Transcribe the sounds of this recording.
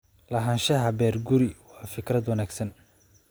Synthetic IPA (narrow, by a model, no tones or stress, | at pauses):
lɐɦɐnʃɐɦɐbɛːrɡʊɾɪwɑːfɪkrɐd̪wɐnaːɡsɐn